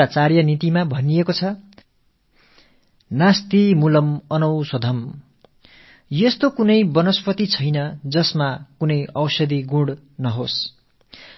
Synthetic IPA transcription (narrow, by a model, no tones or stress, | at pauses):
at͡sarjʌnit̪imabʱʌnijekot͡sʰʌ | nast̪imulʌmʌnʌwsʌd̪ʱʌm | jʌst̪okunʌjbʌnospʰʌt̪it͡sʰʌjnʌd͡zʌsmakunʌjʌwsʌd̪iɡũɽ | nʌɦos